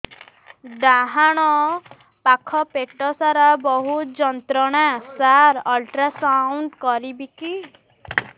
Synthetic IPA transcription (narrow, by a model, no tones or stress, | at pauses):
ɖaɦaɽ̃ɔ | pakʰɔpeʈɔsaɾabɔɦutd͡ʒɔnt̪ɾɔɽ̃asaɾɔlʈɾasawɳɖkɔɾibiki